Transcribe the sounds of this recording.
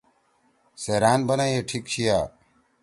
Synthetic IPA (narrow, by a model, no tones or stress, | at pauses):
seɾaːnbɐnaeʈʰik̚t͡ɕʰijaː